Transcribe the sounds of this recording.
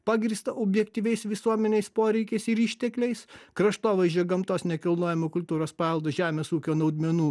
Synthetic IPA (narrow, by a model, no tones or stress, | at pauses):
pɑːɡɾʲiːst̪ɐʔʊbʲjɛkt̪ʲiːʋʲɛɪsʋʲɪsuɔmʲɛnʲɛɪspoːɾʲɛɪkʲɛɪsɪɾiːʃʲt̪ʲɛklʲɛɪskɾɐʃt̪oːʋɐzʲoːɡɐmt̪oːsnʲɛkʲɪlˠnoːjɛmoːkʊlʲt̪uːɾoːspɑːɛlˠd̪oːʒʲæːmʲeːsuːkʲoːnɐʊd̪ʲmʲɛnuː